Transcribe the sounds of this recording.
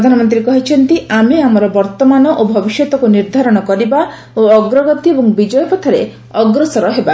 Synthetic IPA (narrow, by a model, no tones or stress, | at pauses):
pɾd̪ʱanɔmɔnt̪̬ɾiekɔɦit͡ʃʰɔnt̪iameamɔɾɔbɔɾt̪ɔmanɔʔobʱɔbiʃjɔt̪ɔkuniɾd̪ʱaɾɔɽ̃ɔkɔɾiba | oɔɡɾɔɡɔt̪iebɔŋbid͡ʒɔjɔpɔt̪ʰaɾḛ | ɔɡɾɔsɔɾɔɦeba